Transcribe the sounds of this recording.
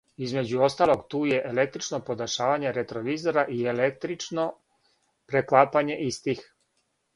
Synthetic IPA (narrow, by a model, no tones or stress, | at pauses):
izme̞d͡ʑuo̞st̪aːlo̞ɡt̪uːje̞ʔelek̚t̪ɾit͡ʃnopod̪aʃaːʋaɲe̞ɾet̪ɾoʋiːzo̞ɾaʔielek̚t̪ɾit͡ʃno | pɾeklaːpaɲe̞ʔist̪ix